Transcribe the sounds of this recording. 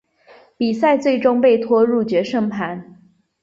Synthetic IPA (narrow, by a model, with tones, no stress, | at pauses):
pi˨˩sa˥˧ɪt͡swe˥˩ɪʈ͡ʂʊ˥ŋpe˥˩ɪt̪ʰwɔ˥ɻu˥˩t͡ɕɥɛ˧˥ʂɤ˥˧ŋpʰa˧˥n